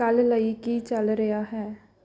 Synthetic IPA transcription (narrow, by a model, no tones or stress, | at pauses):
əlləikit͡ʃəlɾejaɦɛː